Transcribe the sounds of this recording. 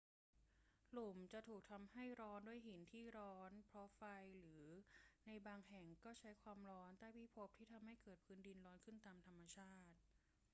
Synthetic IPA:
lu˨˩mt͡ɕa˨˩ʔt̪ʰuː˨˩k̚t̪ʰa˧mha˥˩jɾɔː˦˥ndu˥˩əjɦi˩˦nt̪ʰiː˥˩ɾɔː˦˥npʰɾɔ˦˥fa˧jɾɯː˩˦na˧jbaː˧ŋɦɛ˨˩ŋkɔː˥˩t͡ɕʰa˦˥jkʰwaː˧mɾɔː˦˥nt̪aː˥˩pʰiː˥˩pʰo˦˥p̚t̪ʰiː˥˩t̪ʰa˧mha˥˩jkɤː˨˩t̪̚pʰɯː˨˦˥ndi˧nɾɔː˦˥nkʰɯ˥˩nt̪aː˧mt̪ʰa˧mːa˧t͡ɕʰaː˥˩t̪̚

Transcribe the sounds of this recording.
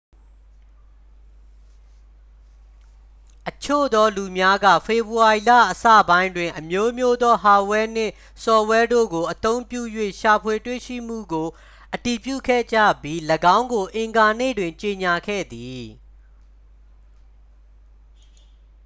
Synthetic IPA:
ʔət͡ɕʰo̰˦˨d̪ɔ˦lu˨mja˦ɡä̰˦˨fʰe˨bu˨wa˨i˨lä̰˦˨ʔəsä̰˦˨bã˦ɪ̃ndwɪ̃˨ʔəmjo˦mjo˦d̪ɔ˦ɦa˨wɛ˦n̥ɪ̰̃˦˨ | sɔ˨wɛ˦do̰˦˨ɡo˨ʔət̪õ˦ʊ̃mpjṵ˦˨jwḛ˦˨ʃa˨pʰwe˨twḛ˦˨ʃḭ˦˨m̥ṵ˦˨ɡo˨ | ʔəti˨pjṵ˦˨kʰɛ̰˦˨d͡ʑä̰˦˨bji˦ləɡã˦ʊ̃ŋɡo˨ʔɪ̃˨ŋɡa˨nḛ˦˨dwɪ̃˨ɲt͡ɕe˨ɲa˨kʰɛ̰˦˨d̪i˨

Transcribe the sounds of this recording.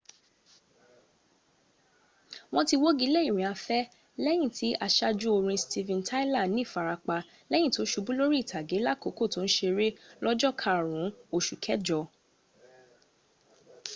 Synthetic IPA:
w̃ɔ̃˦ti˧wo˦ɡi˨˦lɛ˦i˨ɾ̃ĩ˨a˧fɛ˦ | lɛ˦j̃ĩ˦˨tʰi˨˦ʔa˧ʃa˧d͡ʒu˦o˧ɾ̃ĩ˧stʰi˧vɛ̃˧ntʰa˦i˦la˦˨nĩ˦˨fa˨ɾa˧k͡pa˧ | lɛ˦j̃ĩ˦˨to˨˦ʃu˧bũ˦lo˦ɾi˦i˦˨tʰa˨ɡe˨˦la˦˨ko˨˦ko˦˨to˨˦ñ̩˦ʃe˧ɾe˦lɔ˦d͡ʒɔ˦˨kʰa˧˨ɾ̃ũ˨˦o˧˨ʃu˨kʰɛ˦d͡ʒɔ˧

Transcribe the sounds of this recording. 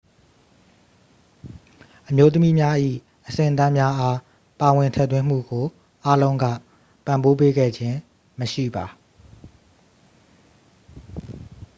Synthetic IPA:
ʔəmjo˦t̪̬əmi˦mja˦ʔḭ˦˨ | ʔəsɪ̰̃˦˨ʔt̪ã˦mja˦ʔa˦ | pa˨wɪ̃˨ntʰɛ̰˦˨t̪wɪ̃˦m̥ṵ˦˨ɡo˨ | ʔa˦lõ˦ʊ̃ŋɡä̰˦˨ | pã˨mbo˦pe˦ɡɛ̰˦˨d͡ʑɪ̃˦ | məʃḭ˦˨ba˨

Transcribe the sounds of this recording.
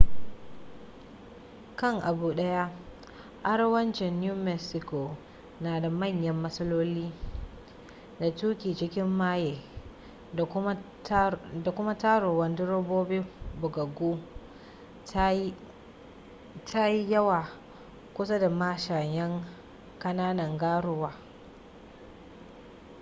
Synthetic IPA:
kɐ˦˨ŋʔa˨buː˨ɗɐ˦ja˦ʔ | ʔa˦ɽwɐ˦nt͡ʃɪ˨nːjuː˦mɛ˦sɪ˨ko˨ | naː˨da˨mɐ˦˨ɲjɐ˦mːɐ˦sɐ˦loː˦liː˦ | da˨tuː˦kʲiː˨t͡ʃɪ˦kʲɪ˦mːaː˦jeː˨ | da˨kʷʊ˦ma˦taː˦ɽo˨wɐ˦ndʊ˦ɽo˦boː˦bi˦bʊ˨ɡɐ˨ɡu˦ | tʰa˦ji˦jɐ˦waː˨ | kʷʊ˦sa˦da˨maː˦ʃa˨jɐ˦ŋ | kɐ˦naː˦nɐ˨ŋɡaː˦ɽʊ˦waː˨

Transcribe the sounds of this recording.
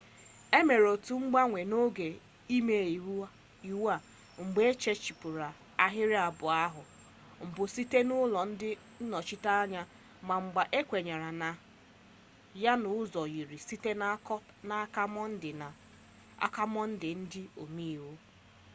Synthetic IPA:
e˦me˨ɾo˨tu˨ŋ͡m̩˦ɡ͡ba˦ŋʷe˨no˦ɡe˨ | i˦me˨i˨u˦ | i˨wa˨ | ŋ͡m̩˨ɡ͡be˦e˦t͡ʃe˦t͡ʃi˨pʊ˨ɾa˨ | a˨ɦɪ˦ɾɪ˦a˨bʊ˨a˦ɦʊ˨ | ŋ͡m̩˨bʊ˨si˦te˦nʊ˦lɔ˨n̩˦dɪ˦ | n̩˦nɔ˨t͡ʃi˦ta˦a˦ɲa˦ | ma˨ŋ͡m̩˨ɡ͡ba˨ʔe˦kʷe˨ɲa˨ɾa˨na˨ | ja˦nʊ˨˦zɔ˨ɣi˨ɾi˨si˦te˦na˦kɔ˦p | na˨a˦ka˦mɔ˦n̩˦dɪ˨na˨ | a̰˦ka˦mɔ˦n̩˦dɪ˨n̩˦dɪ˦o˨mi˦˨wu˦

